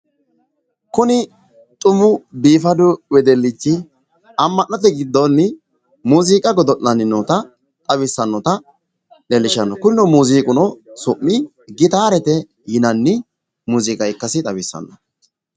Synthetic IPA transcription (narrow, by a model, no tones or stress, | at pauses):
kʊnɪ | t̪ʼʊmːʊbiːfɐd̪ʊwɛd̪ɛlːɪt͡ʃːɪ | ɐmːɐnːɐt̪̬ɛɡɪd̪ːɔnːɪ | muːziːkʼɐɡɔd̪ɔnːɐnɪnɔt̪ɐ | t̪ʼɐβɪsːɐnːɔt̪ɐ | dɛlːɪʃɐnːɔkʊnɪnɔmuːziːkʼʊnɔsʊʔːɪ | ɡɪt̪aːɾɛt̪ɛ | jɪnɐnːɪ | muːziːkʼɐjkːɐsɪt̪ʼɐbɪsːɐ̰nːɔ